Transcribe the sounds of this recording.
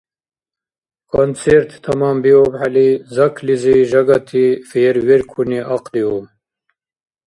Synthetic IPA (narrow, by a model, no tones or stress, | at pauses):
kʰont͡sʰeɾt̪t̪ʰɐmɑːmbiobħalizɐkʰliziʒɐɡɐt̪ʰifeːɾweɾkʰuniʔaqliom